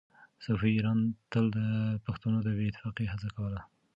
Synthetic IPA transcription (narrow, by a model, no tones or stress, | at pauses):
safiːɾɑnt̪əld̪əpaxt̪unod̪əbeɪt̪ɪ̥fɑqiɦat͡sakawəla